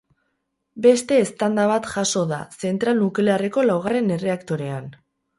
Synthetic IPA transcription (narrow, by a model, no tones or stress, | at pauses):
be̞st̪e̞ːst̪and̪aβ̞at̪ʝaso̞ða̰se̞nt̪ɾalnukleare̞ko̞lawɣ̞are̞ne̞re̞akt̪o̞ɾe̞an